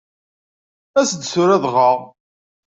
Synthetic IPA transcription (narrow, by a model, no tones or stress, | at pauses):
æsd̪sʊɾæðʁɑʁ